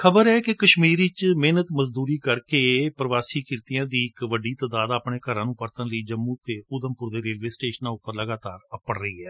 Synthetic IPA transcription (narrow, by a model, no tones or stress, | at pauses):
kʰəbəɾɛːkekəʃmiːɾiːt͡ʃmeːnət̪məzd̪uːɾiːkəɾkeːpɾəʋaːsiːkɪɾt̪ijãːd̪iːɪkʋəɖiːt̪aːd̪aːd̪əːpɳeːkəɾãːnũːpəɾt̪ənləiːd͡ʒəmːũːt̪eːʊd̪əmpʊɾd̪eːɾeːlʋeːsʈeːʃənãːʊpːəɾləɡaːt̪a̰ːɾəpəɳɾəiːɛː